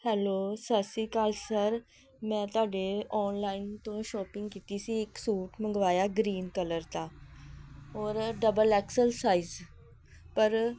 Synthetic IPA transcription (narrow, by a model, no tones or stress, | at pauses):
hɛːloːsəsiːkaːlsəɾ | mɛ̃ːt̪ʊaːɖeɔːnlaːɪnt̪õːʃɔːpɪ̃ŋɡkiːt̪iːsiːɪksuːʈməŋɡʋaːjaːɡɾiːnkələɾt̪aː | ɔːɾɖəbəlɛːksəlsaːiz | pəɾ